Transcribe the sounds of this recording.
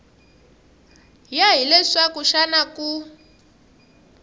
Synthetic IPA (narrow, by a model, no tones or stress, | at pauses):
jaɦilɛʂakuʃanaku